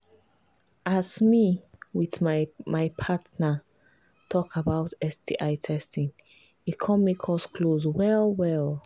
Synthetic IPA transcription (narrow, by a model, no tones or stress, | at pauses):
ʔazmiwiðmamaɪpʰatnə | tʰɔkabaʊtɛstiʔaɪtʰɛstĩŋ | ikʰɔ̃nmekʰɔskʰlozwɛlwɛlˠ